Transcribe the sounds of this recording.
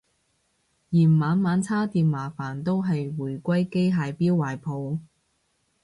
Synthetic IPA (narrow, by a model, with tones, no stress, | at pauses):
jiː˨˩mmaː˨˧˥nmaː˨˧nt͡sʰaː˥t̪iː˧mmaː˨˩faː˨˩nt̪o˥wɦɐ˨jwuː˨˩jkʷɐ˥jke˥jɦaː˨˧jpiː˥wːaː˨˩jpʰo˨˧w